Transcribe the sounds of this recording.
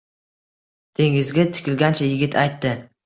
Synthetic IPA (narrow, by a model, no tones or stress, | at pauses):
t̪ʰe̞ŋɪzɡʲat̪ʰɪ̥kʲɪlɡʲant͡ʃʰajɪɡʲɪt̪ʰajt̪ːɪ